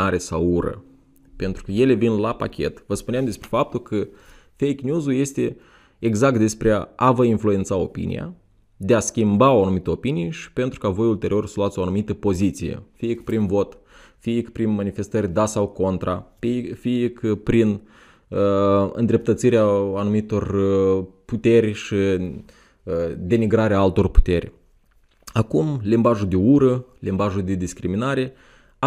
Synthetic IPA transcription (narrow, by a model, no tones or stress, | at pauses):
aɾe̞sawuɾə̰ | pe̞nt̪ɾukəje̞le̞vinlapa̰kʲʰe̞t̪vəspuneamd̪e̞spɾe̞fap̚t̪ulkʰə | fejknʲuzulje̞st̪e̞ | eɡzak̚t̪̚d̪espɾeavəinflue̞nt̪sao̞pḭnḭja̰ | d̪e̞askʲimbaoanumit̪əo̞pinijʃi̥pe̞nt̪ɾukavo̞jult̪e̞ɾʔio̞rsəluat̪sʲo̞anumit̪əpo̞zit̪sijḛfiəkpɾinvo̞t̪ | fiikpɾinmanife̞st̪əɾʲd̪asawko̞nt̪ɾafiikpɾin | əɨ̰nd̪ɾe̞p̚t̪ət̪siɾeaanumit̪o̞r | put̪e̞rʲʃi | d̪e̞niɡɾaɾeaalt̪o̞rpu̥t̪e̞rʲ | akumlimbaʒud̪euɾəlimbaʒuld̪ed̪iskɾiminaɾe̞